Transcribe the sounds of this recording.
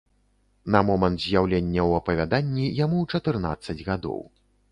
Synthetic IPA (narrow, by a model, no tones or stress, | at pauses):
nɐmɔmɐnt̪zʲjawlʲenʲːɐwɐpɐvʲad̪anʲːijamuwt͡ʂɐt̪ɨrna̰t̪sːɐd͡zʲɣad̪ɔ̰w